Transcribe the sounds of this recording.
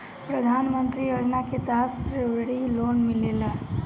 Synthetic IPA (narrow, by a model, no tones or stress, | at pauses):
pɾəd̪ʱanmənt̪ɾijod͡ʒnaket̪asɾeʋɽilonmilelə